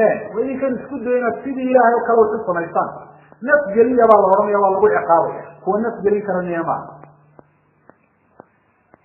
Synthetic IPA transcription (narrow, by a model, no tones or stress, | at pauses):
ɛːnwɑːɪŋkʰɐnɪskʰʊd̪ɛjɪnɐd̪sɪðiːɪlaːhɛjɔkʰɐlɛwɔsʊsɐmɛjst̪aːn | nɐfɡɛlɪjɐβaːlɐɦɔɾɐnɐjaːβaːlɐɣʊʔɛqɑːβɐ̰ja̰ːkʰʊwɐnɐfɡɛlɪŋkʰɐɾɐnɛɐma̰ː